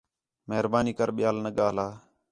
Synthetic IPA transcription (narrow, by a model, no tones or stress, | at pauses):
meɦɾbaːniːkəɾɓɪjaːlnəɠaːlaː